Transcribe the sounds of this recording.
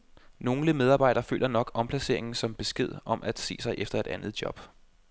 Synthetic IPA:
no̝ːŋ̩ləmeð̞ˠɑ̈ːb̥ɑ̈ɪ̰d̥ɐːfø̰ːlʔɐnɒ̽ɡ̥ɒ̽mpʰlæse̝̰ɐ̰e̝ŋn̩sɒ̽mb̥e̝sɡ̥e̝ð̞̰ˠɒ̽mʔæd̥se̝̰ːsɑ̈ɪʔefd̥ɐe̝d̥ænð̩ˠdjɒ̽b̥

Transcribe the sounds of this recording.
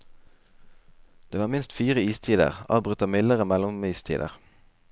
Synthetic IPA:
d̪̥eːʋɑːʁmɪnst̪fiːʁəiːst̪ʰiːd̪ə̰ʁɑ̰ːʋbʁʉt̪ɑmɪləʁəmɛlʊmiːst̪ʰḭːd̪ə̰ʁ

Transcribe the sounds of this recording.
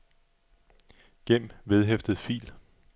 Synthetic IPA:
ɡ̥em̰ʋe̝ð̞ˠɦefd̥əð̩ˠfḭːl

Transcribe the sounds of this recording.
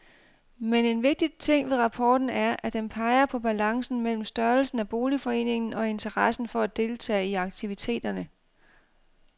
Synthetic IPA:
mene̝nʋe̝ɡ̥̚d̥it͡sʰe̝ŋ̰ʋe̝ðˠʁɑ̈pʰɒːd̥n̩æɐʔæd̥enpʰɑ̈ɪɐpʰɒ̽b̥ælɑ̈ŋsn̩mel̰m̩sd̥ɶɐlsn̩æb̥o̝ːlifɒ̽e̝̰ːne̝ŋn̩ɒ̽e̝nt͡sʰɐʁɑsn̩fɒ̽æd̥e̝lt͡sʰɛ̰ːiɑ̈ɡ̥̚t͡sʰiʋit͡sʰe̝̰ːd̥ɐnə

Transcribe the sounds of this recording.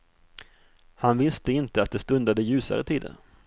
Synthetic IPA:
hanvɪst̪əɪnt̪əat̪̚d̪ɛst̪ɵnd̪ad̪əjʉ̟ːsa̰ɾə̰t̪ʰiːd̪ə̰n

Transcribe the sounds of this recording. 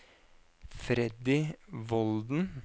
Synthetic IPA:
fɾɛd̪ɪʋɔld̪n̩

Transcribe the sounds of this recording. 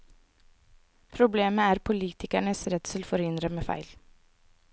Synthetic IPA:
pʰɾʊbleːməæːɾpʰʊliːt̪ʰɪkæɳəsɾɛt̪səlfɔɾhʏnd̪ɾəmeːfæ̰ɪl

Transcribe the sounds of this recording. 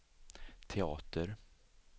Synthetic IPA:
t̪ʰɛɑːt̪əɾ

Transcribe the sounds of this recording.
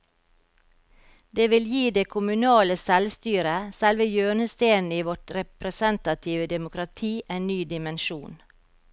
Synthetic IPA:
d̪eːʋɪljiːd̪eːkʰʊmʉnɑːləsɛlst̪yːɾəsɛlʋəjøːɳəst̪eːn̩iːʋɔʈɾɛpɾəsɛnt̪ɑt̪ʰɪʋəd̪ɛmʊkɾɑt̪ʰiːʔeːnnyːd̪ɪmɛnʃuːn

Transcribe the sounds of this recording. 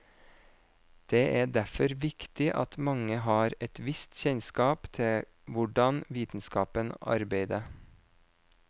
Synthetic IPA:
d̪̥eːʔæːɖæfɔɾʋɪkt̪ɪʔɑ̰t̪mɑŋəɦɑːɾɛt̪ʋɪst̪çɛɲskɑːpt̪ʰɪ | ʋʊɖɑnʋiːt̪n̩skɑːpənɑ̰ɾbeɪd̪ə

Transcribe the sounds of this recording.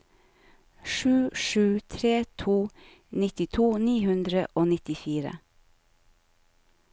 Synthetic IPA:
ʃʉːʃʉːt̪ʰɾeːt̪ʰuː | nɪt̪ɪt̪ʰuːniːhʉnd̪ɾə̰ʔoːnɪt̪ɪfiːɾə̰

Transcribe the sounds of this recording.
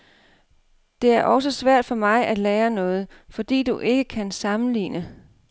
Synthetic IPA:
d̥e̝æɐʔɒ̽səsʋæɐ̰d̥fɒ̽mɑ̈ɪʔæd̥leːɐnɔ̽ːð̞̩ˠ | fɒ̽d̥ḭːd̥uʔe̝ɡ̥əkʰænsɑ̈mn̩lḭːnə

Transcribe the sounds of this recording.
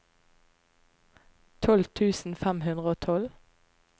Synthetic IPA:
t̪ʰɔlt̪ʰʉːsn̩fæmhʉnʁəoːt̪ʰɔl

